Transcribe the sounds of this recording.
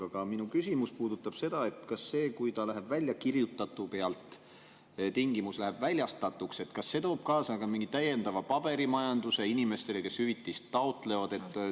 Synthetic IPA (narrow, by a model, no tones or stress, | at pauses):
ɑkɑminukysimuspuːd̪̥ut̪ːˑɑb̥se̞d̪̥ɑe̞t̪kɑsːe̞ːkujt̪ɑlæɦe̞b̥vælʲjɑkirjut̪ːˑɑt̪ːˑupe̞ɑlt̪ˑ | t̪iŋɡimuslæɦeb̥vælʲjɑst̪ɑt̪ːˑukse̞t̪kɑsːe̞t̪o̞ːb̥̚kɑːsɑkɑmiŋɡit̪æje̞nd̪ɑvɑpɑb̥e̞ɾimɑjɑnd̪̥useinime̞st̪e̞leke̞shyvit̪ːˑist̪ːɑot̪ˑle̞vɑd̪̥e̞t̪ːˑ